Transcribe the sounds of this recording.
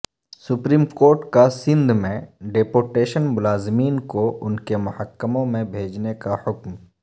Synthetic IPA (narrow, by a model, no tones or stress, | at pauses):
sʊpɾiːmkoːɾʈkasɪ̃nd̪ʱmẽɖepoːɾʈeːʃənmʊlaːzɪmiːnkoʔʊnkemʊhəkːəmõmẽbʱeːd͡ʒnekahʊkm